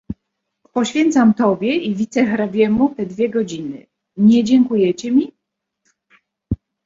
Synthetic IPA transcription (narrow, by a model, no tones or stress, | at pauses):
pɔɕfʲɛnt̪samt̪ɔbʲjɛivʲit̪sɛxɾabʲjɛmut̪ɛd̪vʲjɛɡɔd͡ʑinɘ̰ | ɲɛd͡ʑɛŋkujɛt͡ɕɛmʲi